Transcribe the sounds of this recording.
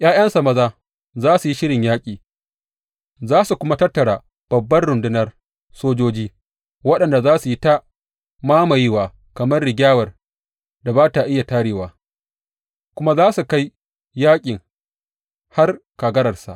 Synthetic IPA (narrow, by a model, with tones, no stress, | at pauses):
ʔj̰aː˦j̰ɐ˦nsɐ˨mɐ˦zaː˦ | zaː˦su˨ji˦ʃɪ˦ɽɪ˨ɲjaː˦kʲʼiː˨ | zaː˦su˨kʷʊ˦ma˦tɐ˦rtːɐ˨ɽaː˨ | b̥ɐ˨bːɐ˦rɽʊ˨ndɪ˦nɐ˦r | soː˦d͡ʒoː˦d͡ʒiː˦ | wɐ˦ɗɐ˨nda˨zaː˦su˨ji˦ta˦ | maː˦ma˨jɪ˦waː˨ | kɐ˨mɐ˦rɽɪ˨ɡʲaː˦wɐ˨r | da˨baː˦ta˨ʔɪ˦ja˨taː˦ɽeː˨waː˨ | kʷʊ˦ma˦zaː˦su˨ka˦j | jaː˦kʲʼɪ˨ŋ | ha˦rkaː˨ɡɐ˦ɾɐ˨rsa̰˨ʔ